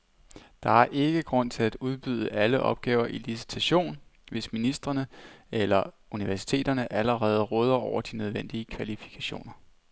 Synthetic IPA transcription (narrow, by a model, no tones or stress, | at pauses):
d̥ɑ̈æɐʔe̝ɡ̥əɡ̥ʁɔ̽n̰t͡sʰe̝læd̥uð̞ˠb̥yð̞ˠəʔæləʔɒ̽b̥̚ɡ̥ɛːʊɐʔilisi̥t͡sʰæɕo̝̰ːnʋe̝sminisd̥ʁɐnəelɐ | uniʋæɐsi̥t͡sʰe̝̰ːd̥ɐnəʔæləʁɛːð̞̩ˠəʁɔːð̞ˠɐɒʊ̰ɐd̥inøð̞ˠʋen̰d̥iːəkʰʋælifi̥kʰæɕo̝̰ːnɐ